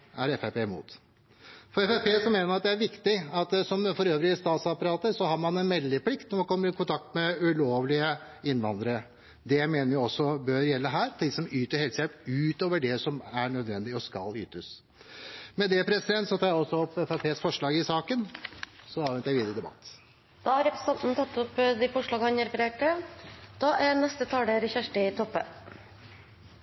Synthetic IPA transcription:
æɾɛfæpeːmṵːt̪ | fɔɾɛfæpeːsɔmeːnəɾɑt̪̚d̪ɛæɾʋɪkt̪ɪɑt̪sɔmfɔɾøːʋɾɪəst̪ɑːt̪sɑpɑɾɑːt̪əsɔhɑːɾmɑnɛnmɛlːəpʰlɪkt̪nɔɾmɑnkʰɔmːəɾɪkʰʊnt̪ʰɑk̚t̪mɛʉloːʋlɪə | ɪnːʋɑnd̪əɾə | d̪ɛmeːnəɾjʊɔsːɔbøɾjɛlːəɦæːɾt̪ʰɪd̪ɪsɔmyːt̪əɾhɛlsjɛʉːt̪oːʋəɖɛsɔmæɾɳœd̪ʋɛnd̪ɪɔskɑ̰ly̰ːt̪əs | mɛd̪ɛpʰɾɛsɪd̪ɛnt̪sɔt̪ʰɑːjæɔsːɔɔpːɛfæpʰeːsfɔʂɭɑːɡɪsɑːkənsɔɑːʋɛnt̪jæɪʋiːd̪əɾəd̪ɛbɑ̰t̪ː | d̪̥ɑːhɑɾɛpɾə̥sɛnt̪n̩t̪ʰɑt̪ːɔpːd̪ɪfɔʂɭɑːɡəhɑnəɾpɾeːʈəd̪̥ɑːʔæɾnɛst̪ət̪ʰɑːɖ̪eɾçæʂʈət̪ʰɔpːə

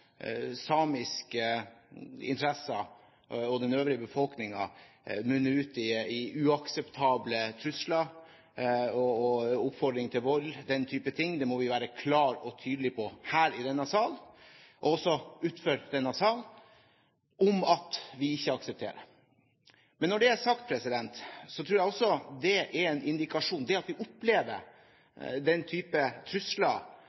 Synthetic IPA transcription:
sɑːmɪskə | ɪ̰nt̪ʰɾɛsə | ɔd̪ɛnøːʋɾɪəbəfɔlknɪŋɑ̰ | mʉnːəʉːt̪ɪɪʉɑksɛpt̪ʰɑːblət̪ʰɾʉslɑ | ɔɔʊpfɔɖ̪ɾɪŋt̪ʰɪlʋɔld̪ɛnt̪ʰyːpət̪ʰɪŋːd̪ɛmɔʋɪʋæːɾəkʰlɑːɾɔt̪ʰyːd̪lɪpʰɔhæːɾɪd̪ɛnːəsɑːlʔɔɔsːɔʉːt̪føːɾd̪ɛnːɑsɑːl | ɔmɑt̪ʋɪɪçːəɑksɛp̚t̪ʰḛːɾə̰ | mɛnːɔɖɛæsɑk̚t̪̚pʰɾɛsɪd̪ɛnt̪sɔt̪ʰɾuːɾjɛæɪɔsːɔd̪ɛʔɛɾɛnʔɪnd̪ɪkɑʂuːnd̪ɛɑt̪ʋɪʔʊpleːʋə̰ | d̪ɛnːt̪ʰyːpət̪ʰɾʉslɑ

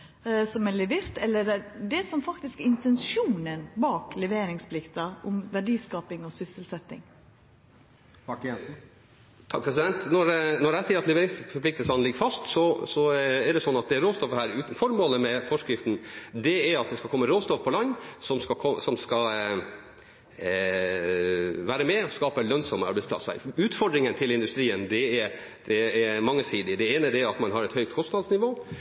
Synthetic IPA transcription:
sɔmɛlɛʋɪːɾt̪ɛlːədɛd̪ɛsɔmfɑkt̪ɪskɪnt̪ɛnʃuːnənbɑːklɛʋeːɾɪŋspʰlɪkt̪ɑʔʊmʋæɖiːskɑːpɪŋɔsʏsəlsɛt̪ːɪ̰ŋ | ɑkɛnsn̩ | t̪ʰɑk̚pʰɾɛs̬ɪd̪ɛnt̪nɔɾnɔɾæɪsiːəɾɑt̪lɛʋeːɾɪŋsfɔɾpʰlɪk̚t̪əlsɑnlɪɡəɾfɑst̪sɔsɔɛɖɛsɔnːɑt̪d̪ɛæɾoːst̪ɔfəhæːɾʉːt̪n̩fɔɾmoːləmɛfɔʂkɾɪft̪nd̪ɛɛɾɑt̪̚d̪ɛskɑlkɔmːəɾoːst̪ɔfpʰɔlɑnːsɔmskɑkʰɔsɔmskɑ | ʋæːɾəmɛɔskɑːpəlœnsɔməɑɾbæɪspʰlɑ̰sə̰ʉːt̪fɔɖɾɪŋənt̪ʰɪlɪnd̪ʉst̪ɾiːənd̪ɛɛ | d̪̥ɛɛmɑŋːəsiːd̪ɪd̪ɛeːnəd̪ɛæɾɑt̪mɑnɦɑɾɛt̪hœʏk̚t̪kʰɔst̪nɑd̪snɪʋoː

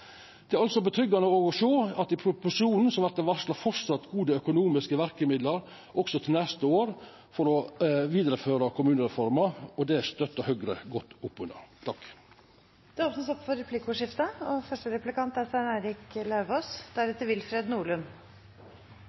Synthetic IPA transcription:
d̪̥ɛæɾɑlsɔbət̪ʰɾʏɡːɑnəoːɡɔʂøːɑt̪d̪ɪpʰɾʊpʊʂuːnn̩sɔmʋæɾk̪əʋɑslɑfɔɾsɑt̪ːɡuːd̪əœkʊnuːmɪskəʋæɾkəmɪd̪ləɾ | ʔɔksɔt̪ʰɪlnɛst̪əoːɾ | fɔɾɔʋiːd̪ɾəføːɾɑkʰʊmʉːnəɾɛfɔɾmɑɾɔd̪ɛst̪œt̪ːəhœɡɾəɡɔt̪ːʊpːʉnɑ̰t̪ʰɑkː | d̪̥ɛɔsm̩sɔpfɔɾɛpʰlɪkʊʂɪft̪əɔfœʂʈəɾɛplɪkʰɑnt̪æsæɳæɪɾɪklɑʋoːsd̪̥æɾɛt̪əɾʋɪlfɾeːd̪nuːɭʉn

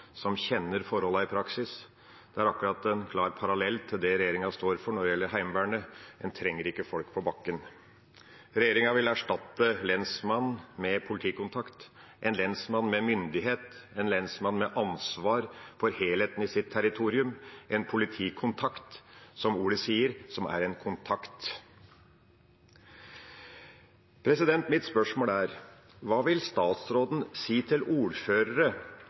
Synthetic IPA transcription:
sɔmçɛnːəɾfɔɾhɔlːɑɪpʰɾɑksɪs | d̪̥ɛæɾɑkʉɾɑt̪ɛnkʰlɑːɾpʰɑɾɑlɛlːt̪ʰɪld̪ɛɾɛjeːɾɪŋɑst̪oːɾfɔɳɔɖ̪ɛjɛlːəɾɦæɪmʋæːɳəɛnt̪ʰɾɛŋːəɾɪkːəfɔlkpʰɔbɑkːən | ɾɛjeːɾɪŋɑʋɪlæʂʈɑt̪ːəlɛnsmɑnːmɛpʰʊlɪt̪ʰiːkʊnt̪ʰɑkt̪ʔɛnlɛnsmɑnmɛmʏnd̪ɪɦeːt̪ɛnlɛnsmɑnmɛʔɑnsʋɑːɾfɔɾheːlheːt̪ən̩ɪsɪt̪ʰːæɾɪt̪ʰuːɾɪʉmʔɛnpʰʊlɪt̪ʰiːkʰʊnt̪ʰɑkt̪sɔmuːɽəsiːəɾsɔmæ̰ɾɛnkʰʊnt̪ʰɑkt̪ | pʰɾɛsɪd̪ɛnt̪mɪt̪spœʂmoːlæːɾ | ʋɑːʋɪlst̪ɑːt̪sɾoːd̪n̩siːt̪ʰɪluːɾføːɾəɾə

